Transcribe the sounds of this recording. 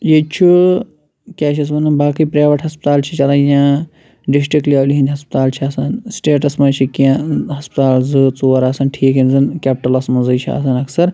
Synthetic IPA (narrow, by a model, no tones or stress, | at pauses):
jet͡ʃʰi | kʲaːʃʰɐs̬mɐnɐnbaːkipɾaːʋɐʈɦɐspt̪aːlt͡ʃʰit͡ʃɐlɐjãː | ɖis̬ʈɾikʈliɐːliɦinʲɦɐspt̪aːlt͡ʃʰiaːsɐnsʈeːʈɐsmɐnt͡ʃʰikiãɦɐspt̪aːlzɨt͡soːɾaːsɐnʈʰiːkɦemzɨnkʲaːp̚ʈɐlɐsmɐnzɨt͡ʃʰia̰sɐnɐksɐɾ